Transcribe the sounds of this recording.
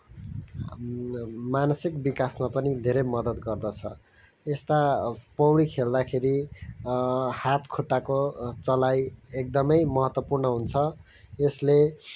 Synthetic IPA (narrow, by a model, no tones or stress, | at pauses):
manʌsik̚bikasmapʌnid̪ʱeɾʌjmʌd̪ʌt̪ɡʌrd̪ʌt͡sʰʌ̰ | est̪apʌwɽikʰeld̪akʰeɾi | hat̪kʰoʈːakot͡sʌlajek̚d̪ʌmʌjmʌɦʌt̪wʌpurnʌɦunt͡sʰʌ | esle